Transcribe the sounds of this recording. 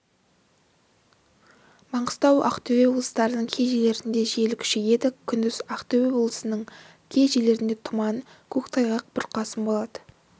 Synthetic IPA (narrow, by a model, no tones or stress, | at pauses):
mɑɴəst̪ɑwɑ̰qt̪ʰewe̞woblˠə̥st̪ɑɾənəɴkʲʰe̞ʒele̞ɾɪnd̪e̞ʒe̞lɪkʲʰʏ̥ʃeje̞d̪ɪkʲʰʏnd̪ɪz̥ɑqt̪ewewoblˠə̥sənəɴ | kʲʰe̞ʒele̞ɾɪnd̪e̞t̪ʰʊmɑn | kʲʰɵkt̪ʰɑjʁɑq̚bʊɾqɑsəmbo̞lˠɑd̪ə